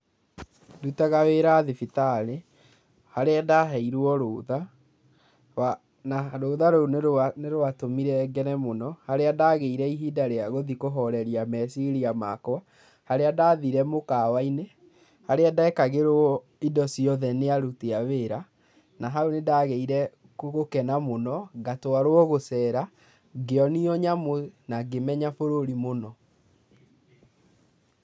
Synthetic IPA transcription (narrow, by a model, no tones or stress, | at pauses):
dutaɣaweɾaðefitaɾe | haɾeadaɦɛiɾwɔɾoːða | a | naɾoːðaɾoonneɾoatomiɾɛɡɛnɛmonɔhaɾeadaːɣeiɾɛiɦidaɾeaɣoðikoɦɔɾɛɾiamɛsiɾiamakwa | haɾeadaːðiɾɛmokaːwaine | haɾeadaɛkaɣeɾoɔ | idɔsiɔðɛneaɾuteaweːɾa | naɦaonedaːɣeiɾɛ | koɣokɛnamonɔɡatoaɾwɔɣosɛːɾa | ɡeɔniɔɲamonaɡemɛɲafoɾoɾimonɔ